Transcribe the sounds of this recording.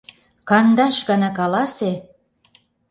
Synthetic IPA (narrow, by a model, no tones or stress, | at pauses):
kɑnd̪ɑʃɡɑnɑkɑlɑse